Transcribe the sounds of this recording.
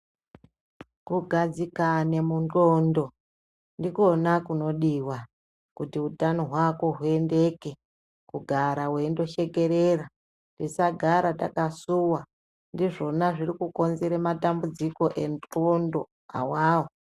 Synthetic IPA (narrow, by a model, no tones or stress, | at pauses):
kuɡʱad͡zikane̞muntondo̞ | ndiko̞nakuno̞ɗiwa | kutiutanoɦwako̞ɦue̞nde̞ke̞ | kuɡʱaɾaɦwendo̞ʃe̞ɡe̞ɾera | ndisaɡʱaɾata̰kasuwa | ndiʐo̞naʐirikuko̞nzeɾematambud͡ziko̞ʔe̞ntondo̞ | a̰waːwo